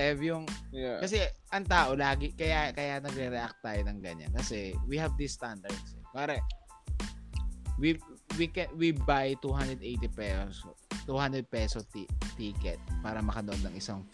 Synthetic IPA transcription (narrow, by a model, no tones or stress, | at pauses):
ɛvjʊŋkɐsɛʔɐŋt̪aːʔolaːɡɪkɐjakɐjanɐɡ̚ɾɛɾɛʔak̚t̪̚t̪ːaːjonɐŋɡɐɲa̰nkɐsɛwihɐvd̪ist̪and̪ɐɹd̪sɛkaːɾɐ | wiwikɛwibajt̪uhand̪ɾɛd̪ʔejt̪ipɛsost̪uhand̪ɾɛd̪̚pɛsot̪it̪iːkɛt̪̚paːɾɐmɐkɐnoʔod̪nːɐŋʔɪsaŋ